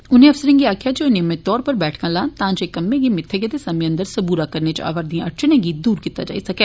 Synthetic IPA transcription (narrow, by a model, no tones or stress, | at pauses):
ʊnẽɐfsəɾẽŋɡiaːkʰijad͡ʒoːnemẽt̪ɔːɾpəɾbɛːʈʰkãlãːnt̪ãːd͡ʒekɐmːẽɡimɪt̪ʰːeɡet̪esɐmiə̃nd̪əɾsɐbuːɾakɐɾnet͡ʃa̰ːʋəɾd̪ĩɐʈt͡ʃʰənẽɡid̪uːɾkit̪a̰d͡ʒa̰ːisɐkɛː